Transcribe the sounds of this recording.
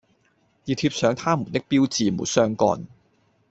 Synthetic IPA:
jiː˨˩t̪ʰiː˧p̚sœː˨˧ŋt̪ʰaː˥mṵː˨˩nt̪ɪ˥k̚piː˥wt͡siː˨mṵː˨˩sœː˥ŋkɔ̰ː˧n

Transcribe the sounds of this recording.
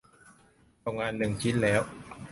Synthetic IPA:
o˧ŋaː˧nːɯ˨˩ŋt͡ɕʰi˦˥t̪̚lɛː˦˥w

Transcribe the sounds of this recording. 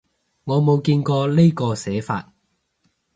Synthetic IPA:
ŋɔː˨˧mo˨˧wkiː˧nkɔː˧le˥jkɔː˧sɛː˨˥fa̰ː˧t̚

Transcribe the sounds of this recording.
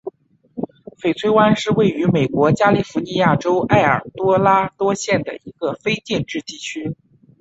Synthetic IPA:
fe˨˩ɪt͡sʰwe˥ɪwa˥nʂɻ̩˥˧we˥˩ɪy˧˥me˨˩ɪkwɔ˧˥t͡ɕja˥li˥˩fu˧˥ni˧˥ja˥˩ʈ͡ʂo˥ʊʔa˥˩ɪə̰˞˨˩t̪wɔ˥la˥t̪wɔ˥ɕjɛ˥˩nd̪ə̰˩i˧˥ɡə˧fe˥ɪt͡ɕ̪jɛ˥˧nʈ͡ʂɻ̩˥˧t̪i˥˩t͡ɕʰy˥

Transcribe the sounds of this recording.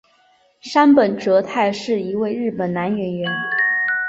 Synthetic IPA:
ʂa˥npə˨˩nʈ͡ʂɤ˧˥t̪ʰa˥˧ɪʂɻ̩˥˩i˧˥we˥˧ɪɻɻ̩˥˩pə˨˩nna˧˥nɥɛ˧˥nɥɛ˧˥n

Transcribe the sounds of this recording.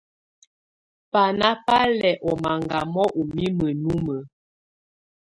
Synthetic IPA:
pa˨na˦pa˦lɛ˨ʔɔ˨ma˨ŋɡa˨mɔ˦ʔu˨mi˦mə˨nu˦mə˨

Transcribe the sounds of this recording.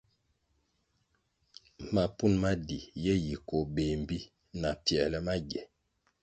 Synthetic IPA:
ma˨pu˦˨nma˦di˨jɛ˦ji˨ko˨be˨m̩˨bi˦ | na˨pjɛ˨lɛ˦ma˦ɡɛ˨

